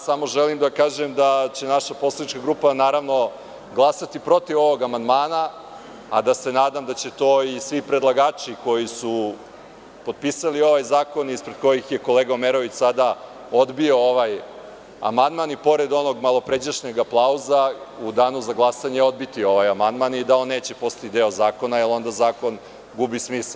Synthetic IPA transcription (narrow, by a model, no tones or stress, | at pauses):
samo̞ʒelimd̪akaːʒemd̪at͡ɕe̞naʃaposlˠed̪it͡ʃkaɡɾupanaːɾaʋno̞ | ɡlˠasat̪ipɾo̞t̪iʋo̞ʋo̞ɡamand̪maːna | ad̪ase̞naːd̪amd̪at͡ɕe̞t̪o̞ːisʋipɾed̪lˠaɡaːt͡ʃiko̞jisu | po̞d̪̚pisalio̞ʋajzaːko̞niispɾed̪̚ko̞jixje̞ko̞leːɡaomeɾo̞ʋit͡ɕsad̪a | o̞d̪bio̞oʋaj | a̰mand̪manipo̞ɾe̞d̪o̞no̞ɡmalˠo̞pɾed͡ʑaʃɲeɡaplˠauzaud̪aːnuzaɡlˠasaɲeo̞d̪bit̪io̞ʋajamand̪manid̪ao̞nːe̞ːt͡ɕe̞po̞st̪ḁt̪id̪e̞o̞zaːko̞nailˠo̞nd̪azaːko̞n | ɡubismisal